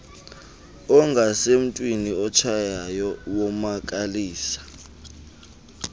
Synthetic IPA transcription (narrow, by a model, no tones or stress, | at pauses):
ɔŋɡʱasem̩tʼwiniɔt͡ʃʰajajɔwɔmak̬ʼaliːsḁ